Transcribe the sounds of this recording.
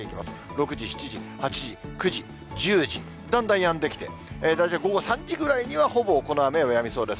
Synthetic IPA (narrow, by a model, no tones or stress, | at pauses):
eikʲima̰sɨ̥ɾo̞kɯ̟ʑiɕi̥t͡ɕiʑihat͡ɕiʑikɯ̟ʑi | d͡ʑɨːʑi | d̪ãnd̪ãɰ̃jãnd̪e̞kʲi̥t̪e̞̰ed̪ait̪aɡo̞ɡo̞sãɲ̟d͡ʑiɡɯ̟ɾaiɲ̟iβaho̞bo̞ko̞noame̞ojamʲiso̞ːd̪e̞s